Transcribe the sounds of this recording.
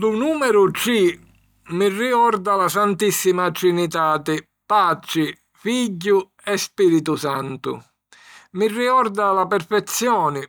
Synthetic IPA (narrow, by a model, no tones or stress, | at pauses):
d̪unuːmɛɾʊt͡ʃi | mirːikɔrd̪alasant̪isːimat͡ʃɾinit̪aːt̪ɪ | pat͡ʃɪ | fiɟːʊ | ɛspiɾit̪ʊsant̪ʊ̰ | mirːiɔrd̪alapɛrfɛt̪sːjɔːnɪ